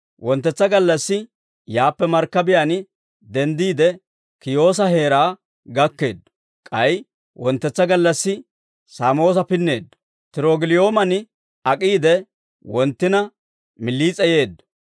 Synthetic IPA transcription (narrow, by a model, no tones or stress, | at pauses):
wɔnt̪ːɛt͡sːɐɡɐlːɐsːɪ | jaːpːɛmɐɾkːɐbɪjanɪ | d̪ɛnd̪iːd̪ɛ | kɪjo̞ːs̬ɐhe̞ːɾaː | ɡɐkːe̞ːd̪ | kʼɐj | wɔnt̪ːɛt͡sːɐɡɐlːɐsːɪ | saːmo̞ːs̬ɐpɪnːe̞ːd̪ːɐ | t̪ɪɾoːɡɪlɪjoːmɐnɪ | ɐkʼiːd̪ɛ | wɔnt̪ːɪnɐ | mɪlːiːt͡sʼɛje̞ːd̪ːɐ